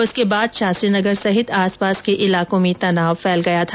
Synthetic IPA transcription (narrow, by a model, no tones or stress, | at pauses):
ʊskebaːd̪ʃaːsɾiːnɐɡəɾsɐɦɪt̪aːspaːskeʔɪlaːkõmẽt̪ɐnaːwfɛːlɡɐjat̪ʰaː